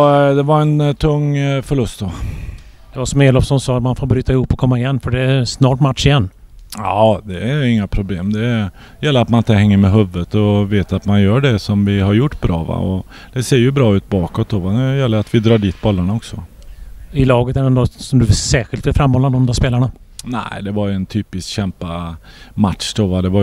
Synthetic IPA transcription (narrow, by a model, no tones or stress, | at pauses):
d̪ɛvaɾɛnt̪ʰɵŋːfœɭɵst̪d̪o | d̪̥ɛvasɔmeːlɔfsɔnsɑːt̪manfoːɾbɾyːt̪aɪhʊpːɔkʰɔmːaɪjɛnːfœɖɛːsnɑːʈmat̪ʂɪjɛnː | ɑːd̪ɛæɾɪŋːapʰɾʊbleːmd̪ɛ | jɛlːəɾat̪manɪnt̪ːəɦɛŋːəɾmɛɦɵvːət̪ɔveːt̪at̪manjœːɖɛsɔmvɪɦaɾjʊʈːbɾɑ̰ːva̰ɔ | d̪̥ɛseːɾjɵbɾɑːʉ̟ːt̪̚bɑːkɔt̪̚d̪oːvaɛjɛlːəɾat̪vɪd̪ɾɑːɖiːt̪̚bɔlːaɳaɔksɔ | ɪlɑːɡət̪ɛɖɛnɔt̪sɔmd̪ɵsæːɧɪlt̪ɛfɾamhɔlːand̪ɔmd̪ɔaspeːlaɳa | næ̰ɪd̪ɛvaɾjɛnt̪ʰyːpɪskɕɛmpamat̪ʂd̪oːvad̪ɛva